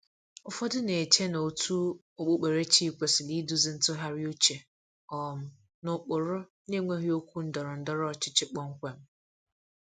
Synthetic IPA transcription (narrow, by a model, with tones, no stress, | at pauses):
ʊ˦fɔ˦dʊ˦ne˨e˨tʰe˦na˨o˨tʰu˦ | o˦˨k͡po˦˨k͡pe˨ɾe˦t͡ʃi˦˨kʷe˨sɪ˨li˦du˦zɪ˨n̩˦tʊ˦ɦa˦ɾi˦o˦t͡ʃe˨ | ɔ˨m̩˨ | nʊ˨k͡pʊ˨ɾʊ˦ | ne˦ŋʷe˦ɦi˦o˦kʷu˦n̩˦dɔ˨ɾʊ˨n̩˨˦dɔ˦ɾɔ˦˨t͡ʃɪ̥˦t͡ʃɪ˦k͡pɔ˦ŋ̩˦kʷe˨m̩˦